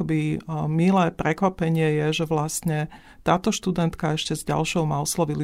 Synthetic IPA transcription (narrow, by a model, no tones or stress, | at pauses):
ɔbimilɛːpɾɛkʋapɛɲɪɛjɛʒɛʋlast̪ɲɛ | t̪aːt̪ɔʃt̪ud̪ɛnt̪kaɛʃcɛzɟa̰lʃɔʊmaɔslɔʋili